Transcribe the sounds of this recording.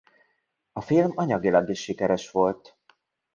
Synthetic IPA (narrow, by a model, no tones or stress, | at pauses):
ɒfilmɒɲɒɡilɒɡiʃːikɛɾɛʃʋo̞lt̪